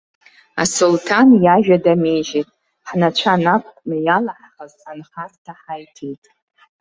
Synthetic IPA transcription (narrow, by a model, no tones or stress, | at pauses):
a̰sultʰanjaʒᶣadameʒetʼ | ħnat͡ʃʷʰanakʷʰʼnajalaħχazanχaztʰaħajtʰejtʼ